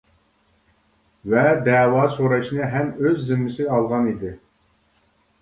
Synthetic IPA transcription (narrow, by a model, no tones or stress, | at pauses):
vɛd̪ɛːwɑːsoɾɑʃnɨɦɛmøzːɪmːɪsɪɑlˠʁɑnid̪ɪ